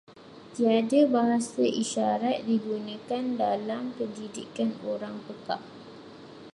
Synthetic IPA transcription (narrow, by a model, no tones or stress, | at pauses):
t̪iadabaɦasaʔiʃaɾat̪̚diɡunə̃kandalamkədidikanoɾaŋpəka̰ʔ̚